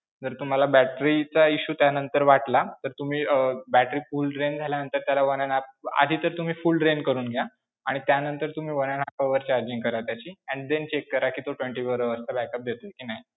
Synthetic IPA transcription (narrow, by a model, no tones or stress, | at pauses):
d͡zəɾt̪um̤alabæʈɾit͡saiɕuːt̪janənt̪əɾʋaʈlat̪əɾt̪um̤iːəbæʈɾiːfuːlɖɾend͡zʱaljanənt̪əɾt̪jalaʋənanap̚a̰d̪ʱiːt̪əɾt̪um̤iːfulɖɾenkəɾuːnɡʱja | aɽ̃it̪janənt̪əɾt̪um̤iːʋənjanapəʋəɾt͡ɕaɾd͡ʑiŋkəɾaʋt̪jat͡ɕiːɛ̃ɳɖd̪ent͡ɕekːəɾakiːt̪oʈʋeɳʈiːʋəɾəəst̪abækəp̚d̪et̪okiːnaɦi